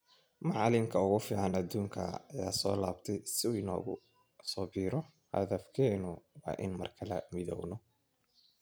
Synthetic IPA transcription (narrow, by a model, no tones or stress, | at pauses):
mɑʕɑlɪmkʰɐʊɣʊfiːʕɑnɐd̪uːŋkʰɐːja̰ːsɔːlaːbt̪ʰɛjsɪʊɪnɔ̰ːɣʊ̰ | sɔːbiːɾɔ | hɐ̰ðɐfkʰɛːnʊwɑ̰ːʔɪ̰nmɐ̰rkʰɐlɐ̰mɪðɔ̰wnɔ